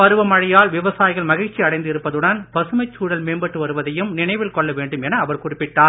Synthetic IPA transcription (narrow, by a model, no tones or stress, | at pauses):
pɐɾɯʋɐmɐɻɐjaːlʋɪʋɐsaːjɪɣɐɭmɐɣɪɻt͡ʃːiɐɽɐɪnd̪ɪɾɯpːɐðɯɽɐnbɐsɯmɐɪt͡ʃːuːɽɐlmeːnbɐʈːɯʋɐɾɯʋɐðɐjɯmnɪnɐɪʋɪlkɔɭːɐʋeːɳɖɯmɛnɐːʋɐɾkʊrɪpːɪʈːaː